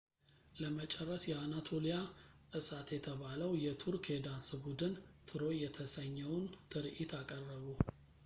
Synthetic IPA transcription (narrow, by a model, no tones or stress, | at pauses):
ləmət͡ʃʼɛrːəsjɛanat̪ʰo̞lijaʔɨsat̪jɛt̪ʰəβaləwjɛt̪ʰuɾked̪ansɨbud̪ɨnt̪ʰɨɾo̞jɛt̪ʰəsəɲːɛwnt̪ʰɨɾʔit̪ʰakʼərːəβu